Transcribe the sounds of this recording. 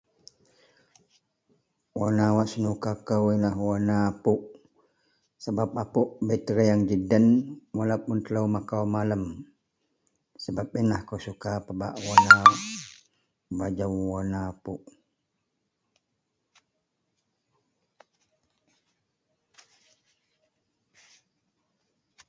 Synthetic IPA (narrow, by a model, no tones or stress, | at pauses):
wanawaʔsənukakəwinaɦwanaːpuʔ | səbap̚apuʔbət̪əɾəjaŋd͡ʒidənwalapʊnt̪ələwmakawmaləm | səbap̚inahkəwsukapəba̰ʔwana | bad͡ʒəwwanaːpuʔ